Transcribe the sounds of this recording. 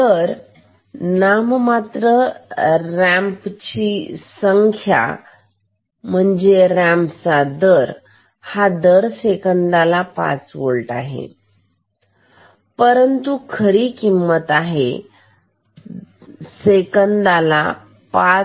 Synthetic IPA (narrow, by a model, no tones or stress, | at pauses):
t̪əɾ | nammat̪ɾə | ɾɛ̃mpt͡ɕisəŋkʰja̰ | m̤əɳd͡zeɾæ̃mpt͡sad̪əɾ | had̪əɾsekənd̪alapa̰t͡sʋoɭʈa̰ɦḛ | pəɾənt̪ukʰəɾiːkimːət̪aɦḛ | sekənd̪ala | pa